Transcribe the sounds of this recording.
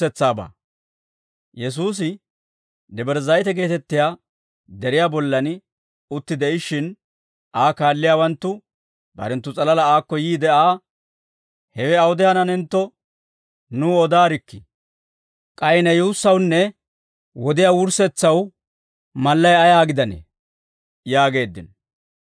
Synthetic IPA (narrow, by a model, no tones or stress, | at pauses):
ɛt͡sːaːba̰ː | jɛs̬uːs̬ɪ | d̪ɛbɛɾzɐjt̪ɛɡe̞ːt̪ɛt̪ːɪjaː | d̪ɛɾɪjaːbɔlːɐn | ʊt̪ːɪd̪ɛɪʃɪn | ʔaːkaːlːɪjaːwɐnt̪ːʊ | bɐ̰ɾɛnt̪ːʊt͡sʼɐlɐlɐaːkːɔjiːd̪ɛaː | hɛwɛɐwʊd̪ɛhɐnɐnɛnt̪ːɔ | nuːɔd̪aːɾɪkːɪ | kʼɐjɪnɛjuːsːɐwnːɛ | wɔd̪ɪjaːwʊɾsɛt͡sːɐw | mɐlːɐjɐjaːɡɪd̪ɐnḛː | jaːɡe̞ːd̪ːɪnɔ